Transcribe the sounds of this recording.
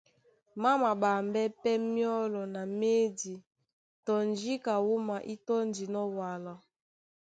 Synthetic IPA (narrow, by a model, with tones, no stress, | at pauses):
ma˦ma˨ba˨mbɛ˦pɛ˦mjɔ˦lɔ˨na˨me˦di˨ | tɔ˨nd͡ʒi˦ka˨wu˦ma˨ʔi˦tɔ˦ndi˨nɔ˦wa˨lɔ˦